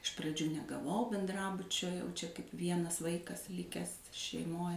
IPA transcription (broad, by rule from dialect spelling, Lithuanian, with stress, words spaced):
ɪʃ prɐˈd͡ʒʲuː nʲɛɡɐˈʋɐʊ bʲɛnˈdrɑːbʊt͡ʃʲoː jɛʊ t͡ʃʲɛ kɐɪp ˈʋʲiɛnɐs ˈʋɐɪkɐs ˈlʲɪkʲæːs ʃʲɛɪˈmoːj